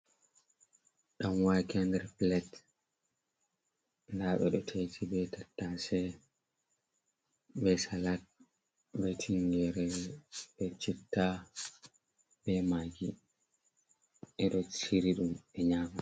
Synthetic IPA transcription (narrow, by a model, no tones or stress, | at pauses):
ɗamwajkɛndɛɾplɛt | ndaɓɛ̰ɗɔtʰejtʰibɛtʰatːasɛ | bɛsalat̚ | bɛtʰiŋɡɛɾɛbɛt͡ʃitːa | bɛmaːɡi | ɛɗɔt͡ʃiɾiɗumɛɲaːma